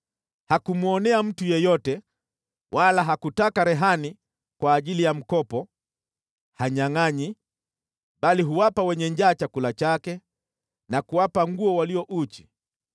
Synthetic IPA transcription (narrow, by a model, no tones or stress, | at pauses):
hakumuɔnɛam̩tujɛjɔtɛ | wʔalaɦakutakaɾɛɦani | kwaːʄilijam̩kɔpɔ | haɲaŋaɲi | ɓaliɦuwapawɛɲɛɲd͡ʒaːt͡ʃakulat͡ʃakɛ | nakuwapaŋɡuɔwaliɔʔut͡ʃi̥